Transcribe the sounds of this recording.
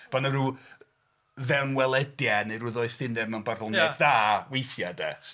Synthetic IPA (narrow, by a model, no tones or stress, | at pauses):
b̥anaɾu | vɛnwɛlˠɛdjanejɾʊðɔɨθɪnɛmanbarɔnɛθðaːwejθjadɛ̰t